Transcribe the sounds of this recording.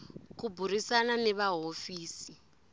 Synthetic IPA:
kuburisananɛβaɦofiːsi

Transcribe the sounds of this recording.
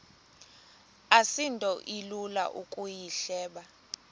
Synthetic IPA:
asintʼɔʔilula̰ʔukʼujiɬɛːɓa

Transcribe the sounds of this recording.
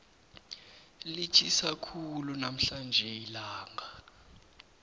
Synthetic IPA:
lit͡ʃʰʼisakʰulunam̩ɬand͡ʒʱɛilaːŋʱa

